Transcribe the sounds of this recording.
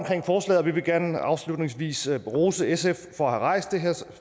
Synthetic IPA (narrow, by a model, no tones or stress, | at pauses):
mkʰʁɛŋ̰fɒːslɛ̰ːðˠɒʋiʋe̝ɡ̥æɐnəɑ̈ʊslud̥ne̝ŋsʋḭːsʁoːsəesefːɒ̽æhæʁɑ̈ɪ̰sd̥deɦeɐ̰